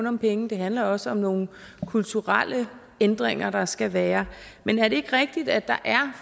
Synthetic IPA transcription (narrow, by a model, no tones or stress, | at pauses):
nɒ̽mpʰeŋn̩d̥e̝ɦænlɐɒ̽səɒ̽mno̝ːn̩ | kʰult͡sʰuʁɑl̰ə | end̥ʁeŋ̰ɐɾ̥ɑ̈sɡ̥æʋæːɐmenæɐɾe̝e̝ɡ̥ʁɛɡ̥̚d̥id̥æd̥ɑ̈ʔæɐ